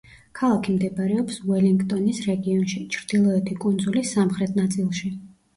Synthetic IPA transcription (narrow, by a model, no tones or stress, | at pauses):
kʰalˠakʰimd̪ɛbɾɛɔpswɛliŋɡt̪ʼɔnisɾɛɡiɔnʃit͡ʃʰɾd̪̥ilˠɔɛt̪ʰikʼund̪zulisamχɾɛt̪ʰnat̪sʼilˠʃi